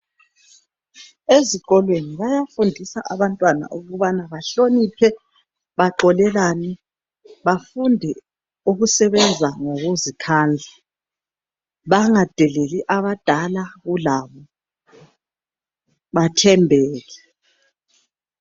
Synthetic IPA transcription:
eziɣɔlweniβajafundʱisaʔaβantʼwana̰ʔuɣuβanaβaɬonipʰɛ | βaǃɔlɛlaːnɛ | βafundʱɛ | uɣusɛβɛnd͡zʱaŋoɣuzikʰand͡ɮʱa | βaŋad̥ʱɛleliʔaβad̥ʱalaɣulaːβɔ | βatʰɛmbʱɛːɣɛ

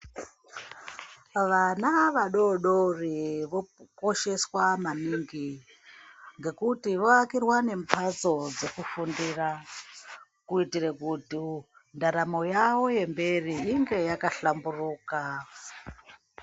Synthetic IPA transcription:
ʋanaʋaɗoɗoriʋokoʃe̞swamaniŋɡi | ŋɡe̞kutiʋoakirwane̞mpʰat͡so̞d͡zekufundira | kuitirekuti | ndaɾamo̞jawo̞je̞mbe̞riiŋɡe̞jakaɬamburuːka

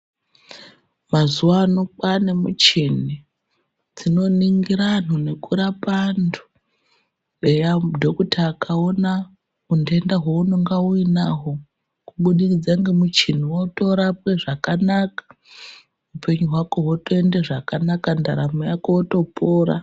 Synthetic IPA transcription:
mazuwanokane̞mṵt͡ʃin̤i | d͡zino̞niŋɡiɾanone̞kuɾapandʰu̥ | ejadʱo̞kutaːkʰao̞na | unde̞ndaɦouno̞ŋɡauinaɦo̞ | kuɓuɗikid͡zaŋɡemut͡ʃin̤iwoto̞ɾap̚we̞ʐakanakḁ | upe̞ɲuɦwako̞ɦotoendeʐakanakandaɾamojakowoto̞poːɾa̰

